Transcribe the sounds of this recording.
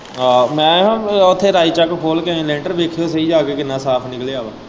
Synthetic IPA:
aːmɛ̃ːɦãʊt̪ʰːeːɾaːiːt͡ʃəkkʰoːlkeẽːlẽːɳʈəɾʋeːkʰejoːs̬əiːd͡ʒaːkeːkɪnãːsaːpʰnɪkleːaːʋaː

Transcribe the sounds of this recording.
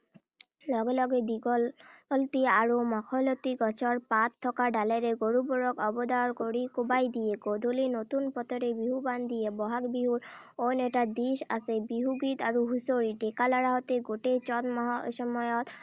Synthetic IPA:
lɔɡelɔɡed̪iɡɔlt̪iaɾomɔkʰɔlɔt̪iɡɔt͡ɕʰɔɾpat̪ʰːɔkaɖaleɾeɡoɾubɔɾɔkɔbɔd̪aɾkoɽikobajd̪ijeɡod̪ʱolinot̪unpɔt̪ɔɾebiɦuband̪ijebɔɦakbiɦuɾ | oneʈad̪iʃa̰sebiɦuɡit̪aɾuɦusoɾiʈekalaɾaɦɔt̪eɡoʈet͡ɕɔnmɔɦʃɔmɔjɔt̪

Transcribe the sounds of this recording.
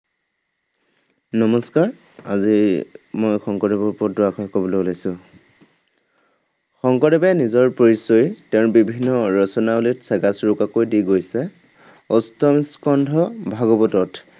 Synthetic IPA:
nɔmɔskaɹ | azimojxɔŋkɔdɛbɔɹpɔdɔakʰɔkɔbɔloulajsʊ̃ | xɔŋkɔdɛbɛnizɔɹpoɹisɔjtɛʊ̃nbibʱinːɔɹɔsɔnaulitsɛɡasɹʊkakojdiɡojsɛ | ɔstɔmiskɔndʱɔbʱaɡɔbɔtɔt

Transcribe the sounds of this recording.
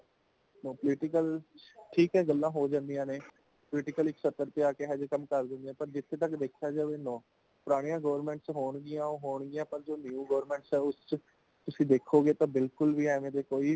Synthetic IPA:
nõːpəlɪʈɪkəlʈʰiːkɦɛːɡəlːãːɦoːd͡ʒãːnd̪ijãːneː | pʊlɪʈɪkəlɪksət̪ːəɾp̪eaːkeːɦɛːd͡ʒkəmkəɾd̪ɪ̃nd̪eãːpəɾd͡ʒɪt̪ʰːeːt̪əkd̪eːkʰjaːd͡ʒəʋeːnõː | pʊɾaːɽ̃ijãːɡəːʋəɾmɛ̃ːɳʈsɦoːɳɡɪjãːoɦoːɳɡɪjãːpəɾd͡ʒoːnɪuːɡəʋɾmɛ̃ːɳʈsɦɛːʊst͡ʃ | t̪ʊsĩːd̪eːkʰːoːɡeːt̪ãːbɪlkʊlʋiːɛːʋẽd̪eːkoːiː

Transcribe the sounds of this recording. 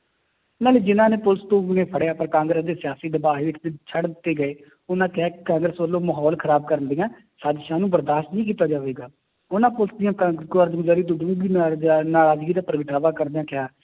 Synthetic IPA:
ʊnãːleːd͡ʒɪnãːneːpʊlst̪õːʊnẽːpʰəɽejaːpəɾkãːŋɡɾəsd̪eːsɪjaːsiːd̪əbaːɦeːʋɪk̪ʰet͡ʃʰəɽd̪t̪ːeːɡəeː | ʊnãːkaːkãːŋɡɾəsʋəlːõːməɦɔːlkʰəɾaːb̚kəɾənd̪ijãː | saːd̪ʃãːnũːbəɾd̪aːʃʈnĩːk̬iːt̪aːd͡ʒaːʋeːɡaː | ʊnãːpʊləsd̪ɪjãːɡoəɾd̪ɡʊzaːɾiːd̪ʊɖũːɡiːnaːɾaːd͡ʒɡiːd̪aːpəɾəɡəʈaːʋaːkəɾd̪eãːkɪjaː

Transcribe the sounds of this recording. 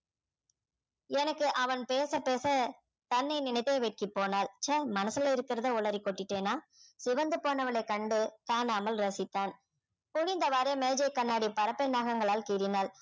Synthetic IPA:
ɛnɐkːɯʔɐʋɐnpeːsɐpeːsɐ | t̪ɐnːɐɪnɪnɐɪt̪ːeːʋeːʈ̚kɪpːoːnaːlt͡ʃɐmɐnɐsɪlɐɪɾɯkːɪɾɐðɐʊɭɐɾikːɔʈːɪʈːeːnaːsɪʋɐnd̪ɯpoːnɐʋɐɭɐɪkːɐɳɖɯk̪aːnaːmɐlɾɐsɪt̪ːaːn | pʊɻɪnd̪ɐʋaːɾɐmeːd͡ʒɐɪkɐnːaːɽipɐɾɐpːɛnaːɣɐŋɡɐɭaːlkiːɾɪnaːl

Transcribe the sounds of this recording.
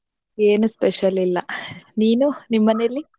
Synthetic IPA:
eːnuspeʂɐlilːɐniːnunimːɐnelːi

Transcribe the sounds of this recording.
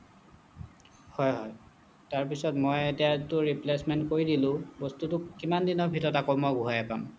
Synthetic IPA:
hɔjɦɔj | taɹpisɔtmɔjetiatʊɹiplesmɛntkoɹidilʊ̃bostutʊkːimandinɔbʱitɔtakɔmɔɡuɦajapa̰m

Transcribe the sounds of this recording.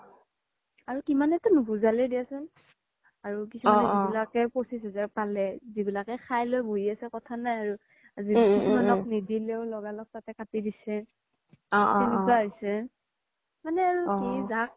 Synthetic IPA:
aɹukimanɛtunubuzalɛdijasʊn | aɹukisuanzibilakɛposisɛzaɹpalɛzibilakɛxʰajlojboɦiasɛkɔtʰanajaɹu | azikisumanɔk̚nidileʊlɔɡalɔk̚tatɛkatidisɛ | ɛnukaɦojsɛ | manɛaɹukizak̚

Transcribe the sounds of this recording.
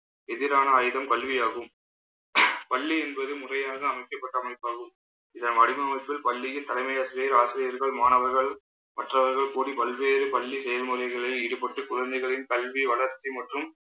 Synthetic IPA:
ɛðɪɾaːnɐːjðɐmkɐlʋɪjaːɣɯm | pɐɭːiɛnbɐðɯmʊrɐjaːɐɣɐɐmɐɪkːɐpːɐʈːɐmɐɪpːaːɣɯm | ɪðɐmɐɽɪmɐmɐɪpːɪlpɐɭːɪjɯt̪ːɐlɐɪmɐjaːsɪɾijɐɾaːsɪɾɪjɐɾɣɐɭmaːnɐʋɐɾɣɐɭ | mɐʈrɐʋɐɾɣɐɭkuːɽipɐlʋeːɾɯpɐɭːisɛjɐlmɔlɐɪɣɐɭɐɪɪɽɯpːɐʈːɯkʊɻɐnd̪ɐɪɣɐɭɪnkɐlʋiʋɐɭɐɾt͡ʃːimɐʈrɯm

